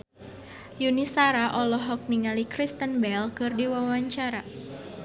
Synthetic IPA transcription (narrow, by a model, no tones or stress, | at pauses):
junisaɾaʔɔlɔɦɔk̚niŋalikɾist̪ənbɛlkɨrdiwawaɲt͡ʃaɾa